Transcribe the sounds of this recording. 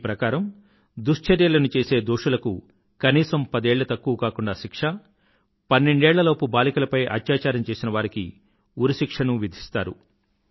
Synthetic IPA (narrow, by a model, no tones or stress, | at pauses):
pɾɐkaːɾɐm | d̪uʂt͡ʃɐɾjɐlɐnut͡ʃe̞ːse̞ːd̪oːʂulɐku | kɐniːsɐmpɐd̪eːɭːɐt̪ɐkːuʋukaːkuɳɖaːʃikʂɐ | pɐnːe̞ɳɖɛːɭːɐlo̞ːpubaːlikɐlɐpɐjʔɐ̰t̪jaːt͡ʃaːɾɐmt͡ʃeːsinɐʋaːɾikḭ | uɾiʃikʂɐnuʋid̪ʱi̥st̪aːɾu